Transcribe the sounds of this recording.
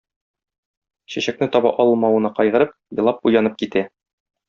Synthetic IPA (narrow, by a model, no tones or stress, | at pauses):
ɕæɕæknɘt̪ɒbɑ̰ʔɒlˠɤ̆lˠmɑwɤ̆nɑqɒjʁɤ̆ɾɤp̚jɤ̆lˠɑp̚ujɑnɤp̚kit̪æ